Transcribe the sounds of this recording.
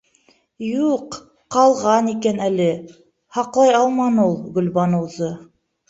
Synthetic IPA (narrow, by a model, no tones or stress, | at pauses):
juq | qɑlˠʁɑnikænælɘ | hɑqlˠɑjɑlˠmɑnulˠɡɵ̆lβɑnɤ̆wzɤ